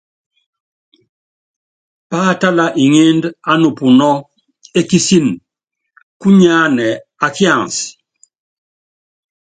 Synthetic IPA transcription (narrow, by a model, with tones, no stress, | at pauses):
pa˦˨ta˦la˨ʔi˨ŋe˦nda˦nu˨pu˨nɔ˦ | e˦ki˦si˦n | ku˦ɲa˦nɛ˨ | a˨ki˦ã˦˨ns